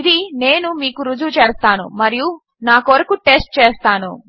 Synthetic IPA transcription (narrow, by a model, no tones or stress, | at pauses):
id̪ine̞ːnumiːkuɾud͡ʒut͡ʃeːst̪aːnṵmɐɾiju | naːkoʋɐɾɐkuʈe̞sʈ̚t͡ʃeːst̪aːnu